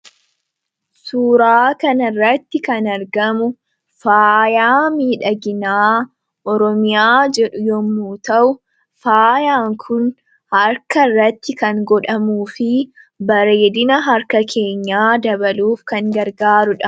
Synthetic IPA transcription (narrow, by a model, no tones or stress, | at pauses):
suːɾaːkɐnɐrːɐt̪ːɪkɐnɐɾɡɐmʊ | faːjaːmiːᶑɐɡɪnaː | ʔɔɾɔmɪjaːd͡ʒɛᶑʊjɔmːuːt̪ɐʔʊ | faːjaːŋkʰʊn | hɐɾkɐrːɐt̪ːɪkɐŋɡɔᶑɐmuːfɪ | bɐɾeːd̪ɪnɐɦɐɾkɐkʰe̞ːɲːaːd̪ɐβɐluːfkɐŋɡɐɾɡaːɾʊᶑɐ̥